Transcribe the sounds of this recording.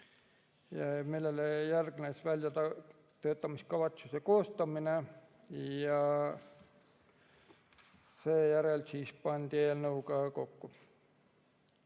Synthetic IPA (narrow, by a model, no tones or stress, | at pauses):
jɑmilːelejærɡ̥nesvælʲjɑt̪ɑ | t̪ø̞ːt̪ːˑɑmist̪̚kɑvɑt̪susekoːst̪ɑmine | jɑ | seːjæɾelsiːspɑnʲd̪̥ieːlnɤuɡɑko̞kːu